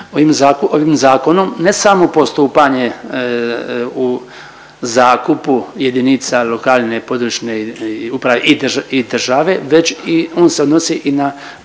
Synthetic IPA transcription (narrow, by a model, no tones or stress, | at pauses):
oimzakoʋimzaːko̞no̞mne̞samopo̞st̪uːpaɲe̞ | u | zaːkupuje̞d̪init̪salo̞kaːlne̞po̞d̪ɾut͡ʃneupɾaʋeʔid̪ʒaid̪r̩ʒaʋe̞ʋe̞t͡ɕio̞ːnseo̞d̪nosiʔina